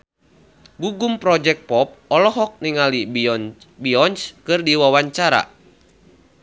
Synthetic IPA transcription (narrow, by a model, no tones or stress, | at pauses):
ɡuɡumpɾɔd͡ʒɛk̚pɔp̚ɔlɔɦɔk̚niŋali | biɔnskɨrdiwawaɲt͡ʃaɾa̰